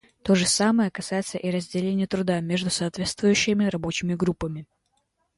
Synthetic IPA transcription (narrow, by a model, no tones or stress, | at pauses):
t̪o̞ʐɨsaməjəkɐsajɪt̪səʔiɾəzʲdʲɪlʲenʲɪjət̪ɾʊd̪amʲe̞ʐd̪ʊsɐːt̪vʲe̞t̪st̪vʊjʉɕːɪmʲɪɾɐbo̞t͡ɕɪmʲɪɡɾupːəmʲɪ